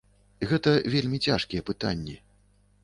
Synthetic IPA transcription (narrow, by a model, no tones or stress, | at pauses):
ɣɛt̪ɐvʲelʲmʲit͡sʲaʂkʲijɛpɨt̪a̰nʲːi